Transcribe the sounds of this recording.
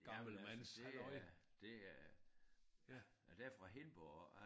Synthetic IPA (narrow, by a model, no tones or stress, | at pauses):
ɡ̥ɑml̩mænsɒɪd̥eæ | æ | d̥æɐfʁɑ̈ɦe̝nb̥ɔ